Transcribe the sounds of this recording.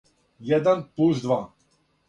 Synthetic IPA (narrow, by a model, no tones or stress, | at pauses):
jɛd̪anpluzd̪va